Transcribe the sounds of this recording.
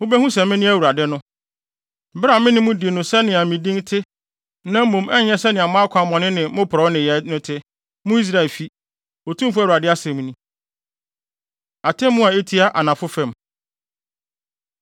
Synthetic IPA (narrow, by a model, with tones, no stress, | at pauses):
mʊ̃˦bɛ˦hũ˦sɛ̃˨mɪ̃˦nɪ̃˦æ˦˨wu˨ɾa˨dɪ˦nʊ̃˦ | m̩˦bɾa˨mɪ̃˦nɪ̃˦mũ˦di˨e˨nʊ̃˨sɛ˦nɪ̃˨a˨mĩ˨dĩ˦ntʰɪ˦ | nã˦m̩˦mõ˨mɛ˦ɲɛ̃˦sɛ˦nɪ̃˨a˨mã˦kʷʰa˨mɔ̃˨nɪ̃˦nɪ̃˨˦mʊ̃˦pʰʊ˨ɾɔ˨˦nɪ̃˨jɛ˨nʊ̃˦tʰɪ˦ | mʊ̃˦i˦s̬ɾa˦ɛ˨lfi˦ | o˨tʰũ˦m˦fu˦æ˦wu˨a˨dɪ˦a˦sɛ̃˨m̃˦nĩ˦ | a˨tʰɛ̃˦mːũ˦a˨e˦tʰi˦a˦ʔa˨nã˨fʊ˦fɛ̃˨m